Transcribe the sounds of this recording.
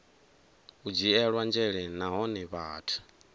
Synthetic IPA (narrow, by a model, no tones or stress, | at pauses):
ud͡ʒiɛɺwand͡ʒɛɺɛnaɦɔnɛβaːtʰu̥